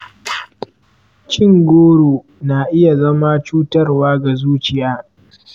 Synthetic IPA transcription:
t͡ʃɪ˦ŋɡʷoː˦ɽoː˨ | naː˨ʔɪ˦ja˨zɐ˦ma˦t͡ʃuː˦tɐ˦rwaː˦ɡa˨zuː˦t͡ʃɪ˨jaː˦

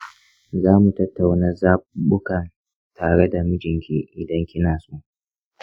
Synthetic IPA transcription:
zaː˦mu˨tɐ˦tːa˨wnɐ˦zaː˦bʊ˦kɐ˨n | tʰaː˨ɽe˦da˨mɪ˦d͡ʒɪ˨ŋkʲi˦˨ʔɪ˨dɐ˦ŋkʲɪ˦naː˨su˦ʔ

